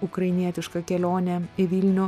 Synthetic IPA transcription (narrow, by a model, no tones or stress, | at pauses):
ʊkɾɐɪnʲiɛt̪ʲɪʃkɐkʲɛlʲoːnʲɛɪʋʲiːlʲnʲʊ